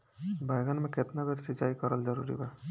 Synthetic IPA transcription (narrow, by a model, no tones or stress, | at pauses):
bʱajɡənmẽket̪nabeɾsid͡ʒaikəɾəld͡ʒəɾuɾḭba